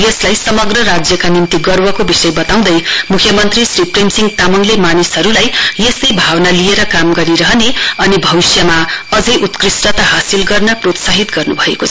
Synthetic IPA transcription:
jʌslajsʌmʌɡrʌɾad͡zjʌkanint̪iɡʌrwʌkobisʌjbʌt̪aw̃d̪ʌjmukʰjʌmʌnt̪risripremsiŋɡt̪amʌŋlemanisɦʌɾulajjʌst̪ʌjbʱawnalieɾʌkamɡʌɾiɾʌɦneʌnibʱʌwisjʌmaʌd͡zʌjʔut̪krisʈʌt̪aɦasilɡʌrnʌprot̪saɦit̪ɡʌrnubʱʌekot͡sʰʌ

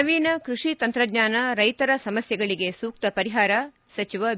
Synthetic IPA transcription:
ɐʋiːnɐkɾuʂit̪ɐnt̪ɾɐɡɲaːnɐɾɐjt̪ɐɾɐsɐmɐsjɐɡɐɭiɡe̞suːk̚t̪ɐpɐɾiɦaːɾɐ | sɐt͡ʃiʋɐ

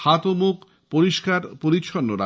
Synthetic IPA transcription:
hat̪omuk | poɾiʃkaɾpoɾiʃʰonːoɾa

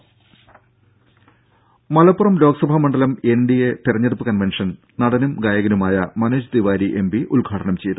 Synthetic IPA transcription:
mɐlɐpːurɐmlo̞ːksɐbʱɐmɐɳɖɐlɐmenɖijet̪irɐɲːɐðupːɨkɐnʋenʂɐn | nɐɽɐnumɡaːjɐɣɐnumaːjɐmɐnoːd͡ʑd̪iʋaːɾiʔembiʔulɡʱaːʈʰɐɳɐmt͡ɕejt̪

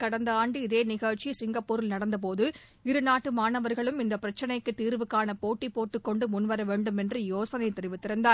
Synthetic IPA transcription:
kɐɽɐnd̪ɐaːɳɖɯɪðeːnɪɣɐɻt͡ʃisɪŋɡɐpːuːɾɪlnɐɽɐnd̪ɐp̬oːðɯ | ɪɾɯnaːʈːɯmaːnɐʋɐɾɣɐɭɯmɪnd̪ɐpːɪɾɐt͡ʃːɐnɐɪkːɯt̪ːiːɾʋɯkːaːnɐpoːʈːipoːʈːɯkːɔɳɖɯmʊnʋɐɾɐʋeːɳɖɯmɛndrɯjoːsɐnɐɪt̪ːɛɾɯʋɯt̪ːɪɾɐnd̪aːɾ

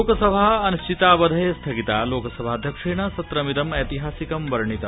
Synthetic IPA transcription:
okɐsɐbʱaɐnst͡ʃit̪aːʋɐd̪ʱɐjɐst̪ʰɐɡit̪aːloːkɐsɐbʱaːd̪ʱjɐkʂeːɳɐsɐt̪ɾɐmid̪ɐmɐt̪iɦaːsikɐmʋɐɾɐɳit̪ɐ

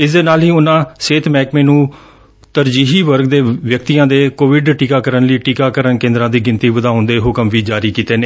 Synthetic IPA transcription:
ɪsd̪eːnaːlɦiːʊnãːseːt̪ʰmɛːkmẽːnũː | t̪əɾd͡ʒiːɦiːʋəɾɡd̪eːʋjəkt̪iːãːd̪eːkoːʋɪɖʈiːkaːkəɾənləiːʈiːkaːkəɾənkẽːnd̪ɾãːd̪iːɡɪnt̪iːʋəd̪aːʊnd̪eːɦʊkəmʋiːd͡ʒaːɾiːkiːt̪eːneː

